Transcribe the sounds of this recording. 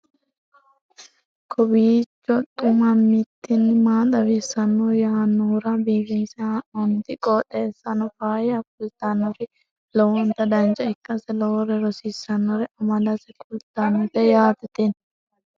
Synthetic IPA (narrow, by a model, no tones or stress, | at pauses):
kʰɔbiːt͡ʃːɔt̪ːʊmɐmːit̪ːɪnːɪmaːt̪ɐwisɐnːujaːnːuːɾabiːfinsɐɐʔɔnt̪ɪkʼɔːᶑeːsːɐnɔfaːjɐkʊlt̪anːɔɾɪ | lɔwɔnt̪ɐd̪ɐnd͡ʒɐɪkːɐsɛlɔwɔɾɛɾɔsisɐnːɔɾɛɐmɐlɐsɛkʊlt̪anːɔt̪ɛjaːt̪ɐt̪en